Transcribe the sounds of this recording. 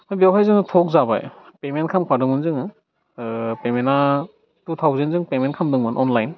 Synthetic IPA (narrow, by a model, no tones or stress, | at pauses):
majbjawpʰajzɯŋtʰɔk̚zaba̰jpementkʰamkʰadɯmɯnzɯŋ | pemena | tutʰawzenzɯŋpement̚kʰamdɯŋmɯnʔɔnlajn